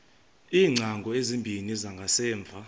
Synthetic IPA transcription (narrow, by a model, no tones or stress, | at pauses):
iːŋ͡ǀʱaŋɡʱɔezimbʱinizaŋɡʱasɛːɱb̪vʱa